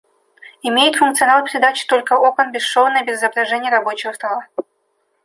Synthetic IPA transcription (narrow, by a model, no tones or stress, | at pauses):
ɪmʲejɪt̪fʊnk̚t̪sɨɐnalˠpʲɪɾʲɪd̪at͡ɕɪ̥t̪o̞lʲkəokənbʲɪsʂovnəjbʲɪzzəbɾɐʐɛnʲɪjəɾɐbo̞t͡ɕɪvəst̪ɐlˠa